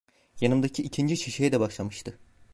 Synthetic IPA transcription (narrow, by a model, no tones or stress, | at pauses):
janɯmd̪acʰiicʰind͡ʒit͡ʃʰiʃejɛd̪ɛbaʃlˠamɯʃt̪ʰɯ